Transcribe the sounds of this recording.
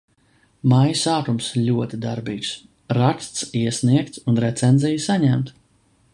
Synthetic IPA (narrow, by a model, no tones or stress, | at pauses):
majsaːt̪umsʎʲuɔt̪ʲid̪aɾbiːks | ɾakst̪siɛsniɛk̚t̪sunɾɛt̪sɛnzijsaɲæmt̪